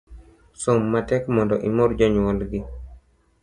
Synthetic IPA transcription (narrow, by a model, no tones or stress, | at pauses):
somːatɛkmɔndɔʔimoɾd͡ʒɔɲwɔlɡi